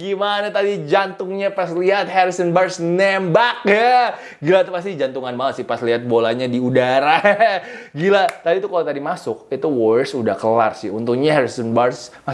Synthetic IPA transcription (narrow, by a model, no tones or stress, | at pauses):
ɡimanat̪adid͡ʒant̪ʊŋɲapasliɦat̪̚haɾisɔnbarsnembak̚ja | ɡilat̪past̪id͡ʒant̪uŋanbaasɪpasliɦat̪̚bolaɲadiudaɾa | ɡilat̪adit̪ukalot̪adimasʊk̚it̪uwɔsuda̰hkəla̰rsɪ̰unt̪ʊŋɲaɦaɾisɔnbarsma